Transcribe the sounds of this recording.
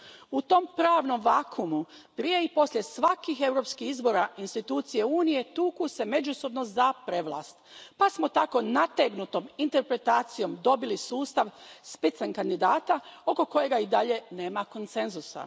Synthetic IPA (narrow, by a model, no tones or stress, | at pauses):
ut̪o̞mpɾaːʋno̞mʋaːkʰumupɾije̞ipo̞slʲje̞sʋakixe̞wɾo̞pskixizbo̞ɾainst̪it̪uːt̪sije̞uːnije̞t̪uːkuse̞me̞d͡ʒuso̞bno̞zapɾe̞ʋlˠa̰ːst̪pasmo̞t̪ako̞nat̪eɡnut̪o̞mint̪e̞ɾpɾe̞t̪aːt̪sijo̞md̪o̞bilisuːst̪aʋspit̪sankand̪id̪aːt̪ao̞ko̞ko̞je̞ɡaid̪aʎe̞ne̞ːmako̞nt̪se̞nzusa̰